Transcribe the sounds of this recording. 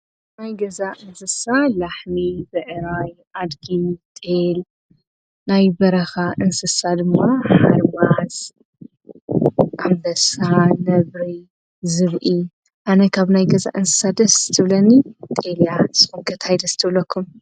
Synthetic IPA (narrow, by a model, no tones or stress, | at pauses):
najɡɐzaʔɨnsɨsalaħmibɨʕɾajʔad̪ɡit̪ʼel | najbɐɾɐxaʔɨnsɨsad̪ɨmːaħaaɾmaz | ʔambɐsanɐβɾi | zɨβʔi | ʔanɐkʰaβnajɡɐza̰ʔɨnsɨ̥sad̪ɐszt̪ʰɨβlɐnit̪ʼeljaz̥ɨxumɡɐt̪hajd̪ɐsɨ̥t̪ʰɨβlɐkʰːum